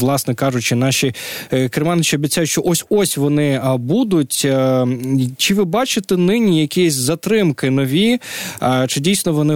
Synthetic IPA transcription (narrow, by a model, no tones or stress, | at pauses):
lˠɑsnɛkɑʒʊt͡ʃɪnɑʃʲikɾemɑnɪt͡ʃiɔbʲitt͡sʲajʊtʃt͡ʃɔʔɔsʲɔsʲʋɔnɪbud̪ʊtʲ | t͡ʃɪʋɪbɑt͡ʃɪt̪ɛnɪnʲijɐkʲijɛsʲzɐt̪ɾɪmkɪnɔʋʲi | t͡ʃɪdʲijsʲnɔʋɔnɪ